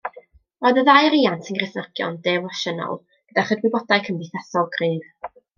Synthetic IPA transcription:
ɔjðəðajɾiːantʰəŋɡrɪθnəɡjɔ̰ndɛvɔʃənɔ̰lˠ | ɡ̥ədaχədwɪbɔdaɨkʰəndɪθasɔlˠɡriːð

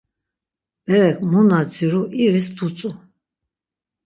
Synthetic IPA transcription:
bɛɾɛkʰʼmunad͡ziɾuʔiɾist̪ʰut͡sʼu

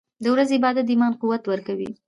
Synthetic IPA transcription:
d̪əwɾazebɑd̪ad̪imɑnquwat̪wəɾkawḭ

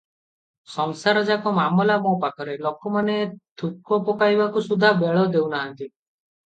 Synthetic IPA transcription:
sɔŋsaɾɔd͡ʒakɔmamɔlamɔpakʰɔɾelɔkɔmanet̪ʰukɔpɔkajbakusud̪ʱabeɭɔd̪ewnaɦant̪i

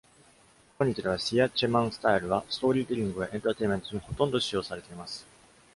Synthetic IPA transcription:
koɲ̟ʲːit̪id̪e̞β̞aɕijat͡ɕemãɰ̃sɨ̥t̪aiɾɯ̟βasɨ̥t̪o̞ːɾʲiːd̪ʲiɾʲĩŋɡɯ̟βaʔẽnt̪at̪e̞imẽ̞nt̪oɲʲiho̞t̪õ̞nd̪o̞ɕijo̞ːsaɾe̞t̪e̞imasɨ̥

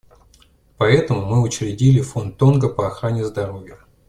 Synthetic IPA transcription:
pɐɛt̪əmʊmɨʊt͡ɕɾʲɪdʲilʲɪfo̞nt̪ːo̞nɡəpɐɐxɾanʲɪzd̪ɐɾo̞vʲjə

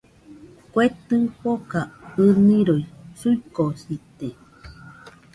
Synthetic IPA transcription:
kʷet̪ɨ̃pokaɨnĩɾoisuikosit̪e

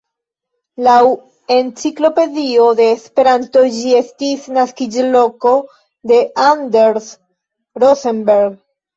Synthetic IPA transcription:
law | e̞nt͡siklo̞pe̞ðio̞ðe̞ːspe̞ɾant̪o̞d͡ʒiest̪isnaskid͡ʒloko̞ | d̪e̞ʔand̪eɾs | ɾosembeɾɡ

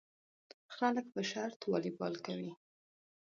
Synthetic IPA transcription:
xalək̚pəʃaɾt̪wɑlibɑ̰lkawi

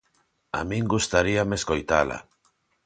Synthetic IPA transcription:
a̰mĩŋɡust̪aɾiameskojt̪ala̰

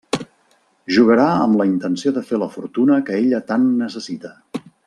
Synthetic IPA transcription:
ʒuɣəɾaə̰mləint̪ənsioðəfeləfuɾt̪unəkəeʎət̪anːəsəsit̪ə

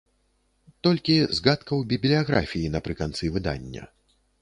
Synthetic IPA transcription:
t̪ɔlʲkʲizɣat̪kɐwbʲiblʲijaɣɾa̰fʲijinɐpɾɨkant̪sɨvɨd̪a̰nʲːɐ̰

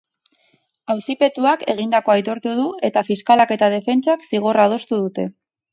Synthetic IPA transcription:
awsipe̞t̪uakʰe̞̰ɣ̞ind̪ako̞ajt̪o̞ɾt̪uðue̞t̪afiskalake̞t̪að̞e̞fe̞nt͡sakfiɣ̞oraːð̞o̞st̪uð̞ut̪e̞

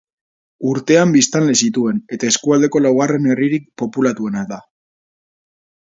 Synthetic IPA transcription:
uɾt̪e̞ambist̪anlesit̪ue̞ne̞t̪ae̞skuald̪e̞ko̞lawɣare̞ne̞riɾik̚po̞pulat̪ue̞nad̪a

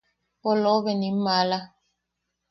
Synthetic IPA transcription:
pɔlɔbɛnimala

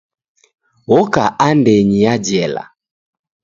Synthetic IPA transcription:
wɔkaʔandɛɲiad͡ʒɛla̰

